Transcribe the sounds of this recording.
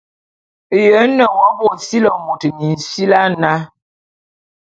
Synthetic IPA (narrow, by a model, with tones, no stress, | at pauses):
jə˨˦nə˨wɔ˦bɔ˦˨si˦lə˨mo˨tə˨ni˨n̩˨si˦la˦na˦